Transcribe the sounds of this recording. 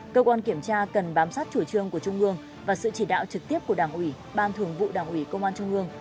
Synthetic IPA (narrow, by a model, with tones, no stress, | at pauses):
kəː˧kwaː˧nki˧˩əmt͡ɕaː˧kə˨˩nɓaː˨˦msaː˦˥t̚t͡ɕu˧˩t͡ɕɨ˧əŋku˧˩ət͡ɕʊ˧ŋ͡mʔɨ˧əŋ | vaː˨˩sɨ̰˧˨t͡ɕi˧˩ɗa̰ː˧˨wt͡ɕɨ˨˩k̚t̪i˦˥əp̚ku˧˩əɗaː˨˩ŋʔwi˧˩ | ɓaː˨˩nt̪ʰɨ˨˩əŋvṵ˧˨ɗaː˨˩ŋʔwi˧˩kə˧wŋ͡mʔaː˧nt͡ɕʊ˧ŋ͡mʔɨ˧əŋ